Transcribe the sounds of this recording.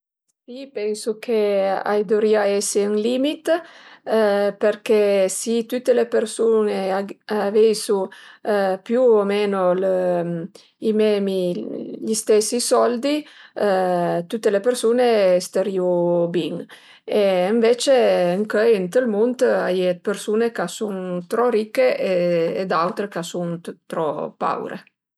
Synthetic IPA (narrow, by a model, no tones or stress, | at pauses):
ssipɛnsukʰea̰jd̪oɾiaɛseuŋlimit̪ | peɾkesit̪ut̪ːelepeɾsuneaavejsu | pjuomɛnol | imɛmiʎist̪ɛsisɔld̪i | t̪ut̪ːelepeɾsuneɛst̪eɾiubiŋ | eɱvet͡ʃeəŋkəjint̪əlmunt̪ajepeɾsuːnekasunt̪ɾɔɾikːeeːd̪awt̪ɾekasunt̪ɾɔpːa̰wɾḛ